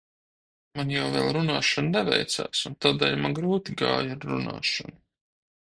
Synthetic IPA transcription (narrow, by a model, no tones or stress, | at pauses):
manjawvɛ̰ːlˠɾunaːʃannɛvɛ̰jt̪sa̰ːsunt̪aːd̪ɛːlʲmanɡɾuːt̪iɡa̰ːjaɾɾuna̰ːʃanu